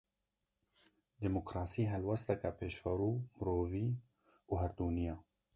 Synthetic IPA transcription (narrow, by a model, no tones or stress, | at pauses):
d̪emokɾɑːsiːɦɛlwɛst̪ɐkapʰeːʃfɐɾuːmɨɾoːviː | uːɦɛɾd̪uːnijɑː